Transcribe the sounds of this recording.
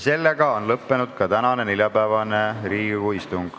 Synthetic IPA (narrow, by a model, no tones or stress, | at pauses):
se̞lːeɡɑo̞nlɤpːe̞nud̪̥̚kɑt̪ænɑne̞nilʲjɑpæːvɑne̞ɾiːɡuist̪uŋɡ̥